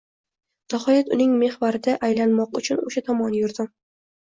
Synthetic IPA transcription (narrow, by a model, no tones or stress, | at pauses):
n̥ahɒjat̪ʊnɪŋme̞hvaɾɪd̪aʔajlanmɒqʊt͡ʃʰʊnoʃat̪ʰɒmɒnjʊɾd̪ɪm